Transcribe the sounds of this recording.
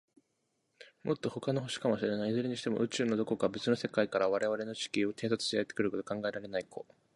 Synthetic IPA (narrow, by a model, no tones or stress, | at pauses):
mo̞t̪ːo̞ho̞kanoɦo̞ɕi̥kamoɕiɾenaizɨɾeɲ̟iɕi̥t̪e̞mo̞ʔɯ̟t͡ɕɨːno̞d̪o̞ko̞kabe̞t͡sɨno̞se̞kaikaɾaβ̞aɾe̞β̞aɾe̞no̞t͡ɕi̥kʲio̞t̪e̞ːs̬at͡sɨ̥ɕt̪eaet̪ːe̥kɯɾɯ̟ko̞t̪o̞kãŋɡae̞ɾaɾe̞naikʰo̞̰